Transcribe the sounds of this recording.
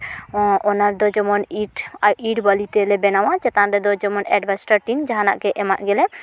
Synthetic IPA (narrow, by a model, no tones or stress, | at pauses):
ɔnaɾd̪ɔd͡ʒɔmɔniʈaʔiʈbalit̪ɛlɛbɛnawat͡ʃɛt̪anɾɛd̪ɔd͡ʒɔmɔnɛɖbasʈaɾʈind͡ʒaɦanaʔkɛʔɛmaʔ̪ɡɛlɛ